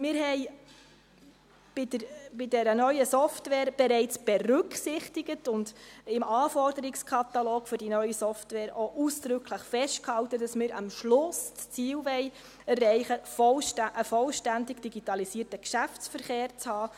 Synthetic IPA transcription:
mɪːɾhɛɪ | b̥ɪdəɾb̥ɪdɛɾənœʏəsɔftʋɛːɾb̥ɛɾɛɪt͡sb̥ɛɾʏksɪχtɪɡətʊndɪmɑːfɔrdəɾɪkskʰɑt̪ɑloːɡfʏɾdinœʏəsɔftʋɛːɾʔoʔuːsd̥ɾʏkʰləχfɛʃtkhɑltəd̥ɑsmɪːɾɑmʃlʊstst͡siːlʋɛɪ | ɛrːɛɪχəfɔlʃʔəfɔlʃtændɪɡd̥iɡitɑlisiːərtəkʃæft͡sfəɾχeːɾt͡shɑː

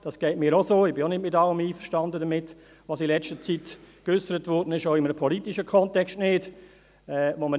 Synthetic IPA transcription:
d̥ɑsɡ̥ɛɪtmiːɾosoːɪbɪonɪdmɪtɑləmiːfəʃtɑndədɐmɪt | ʋɑːsilɛt͡stət͡sitkʏsəɾətʋʊrdənɪʃoʊɪmənəpʰɔlitiʃəkʰɔntɛkstnɪːd̥ | ɛːʋomə

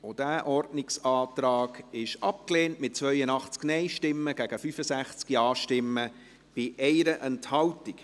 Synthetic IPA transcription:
od̥æːʔɔrdnɪksɑːt̪ɾɑːɡɪʃʔɑp̚kleːntmɪt̚ːt͡sʋœʏənɑχt͡sknɛɪʃtɪmːəɡ̥æɡ̥əfyfəsæχt͡skiɑːʃtɪmːə | b̥ɪʔɛɪɾəʔɛnthɑwtɪk

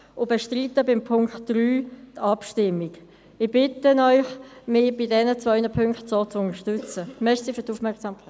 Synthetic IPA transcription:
ʊbeʃtritəbɪmpʰʊŋkχtd̥ryːtɑpʃtɪmːiɡ | ɪb̥ɪtənɔʏχmɪb̥ɪdɛnət͡svœʏndəpʰʏŋkχtsot͡sʊnəʃtʉt͡səmɛʃsifytufmɛʁksɑːmkʰ

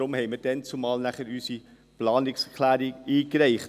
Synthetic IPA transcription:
ɾʊmhɛɪməd̥ɛnt͡sumɑːlnæχəɾysi | plɑːnɪkskʰlæːɾiiːkɾɛɪχ

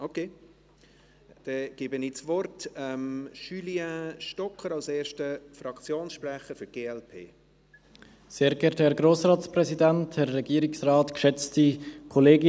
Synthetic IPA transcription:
okʰeː | d̥ɛɡ̥ɪːbənit͡svɔrtɛmʃyliaʃtɔkʰːəɾɑlseːɾʃtəfɾɑkt͡sjoːnsʃpɾɛχəfɾɡ̥eːɛlpʰḛː | seːɾɡɛɾthɛɾɡɾoːsɾɑːtsprɛzidænthɛːɛɡiəɾɪksrɑːtkʃɛt͡stikʰɔleːɡi

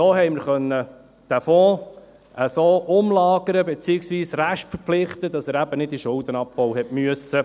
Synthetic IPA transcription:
soːɦɛjməɾχœnːə | d̥æfɔ̃ː | ʔəsoːʔʊmlɑːɡəɾəbet͡siːɪksʋiːsɾæʃtfəɾpflɪχt̪əd̪ɑsəːɾæb̥ənɪd̚diʃʊld̪ənɑpːɔwɦɛtmyəsə

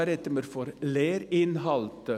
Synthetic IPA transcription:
æɾɛt̪ːəmeɾfɔɾleːɾɪnhɑlt̪ə

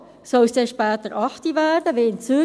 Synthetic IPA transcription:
sɔlsdeʃpɛːt̪əɾʔɑχtivæːɾdəʋeːɪnt͡sy

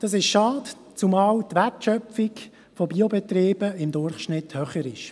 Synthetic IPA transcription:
d̥ɑs̬ɪʃʃɑːd | t͡sʊmɑːlt̪ʋærtʃœpfik | fobiobɛt̪riːbəɪmd̪ʊɾχʃnɪt̪hœχəɾɪʃ

